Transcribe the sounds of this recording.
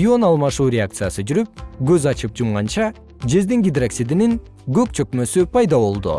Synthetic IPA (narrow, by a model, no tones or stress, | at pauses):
o̞nɑlˠmɑʃuːɾʲeakt̪sɨjasɯd͡ʒyɾyp̚ɡøzɑt͡ʃɯp̚d͡ʒumʁɑnt͡ʃɑ | d͡ʒe̞zd̪iŋɡʲid̪raksid̪iniŋ | ɡø̞k̚t͡ʃʰø̞kmø̞sypʰɑjd̪ɑβo̞lˠd̪ṵ